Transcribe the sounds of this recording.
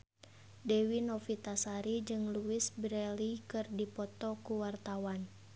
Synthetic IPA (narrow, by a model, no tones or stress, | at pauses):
dɛwinɔfit̪asaɾid͡ʒɨŋluɪsbɾɛlikɨrdipɔt̪ɔkuwart̪awan